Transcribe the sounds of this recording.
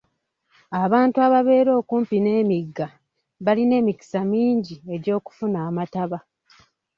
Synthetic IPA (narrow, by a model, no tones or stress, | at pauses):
aβaːntuaβaβe̞ːɾo̞ːkuːmpine̞ːmiɡːa | βaline̞ːmiki̥samiːɲɟie̞ɟo̞ːku̥funaːmataβa